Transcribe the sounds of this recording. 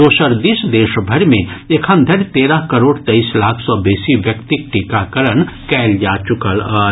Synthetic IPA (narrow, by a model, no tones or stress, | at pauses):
oːsəɾd̪isd̪eːʃbʱɐɾmẽekʰə̃nd̪ʱəɾt̪eːɾəɦkəɾoːɽt̪ɐislaːkʰsɔːbeːsiʋjəkt̪ɪk̚ʈikakəɾənkɛːld͡ʒaːt͡ʃʊkəla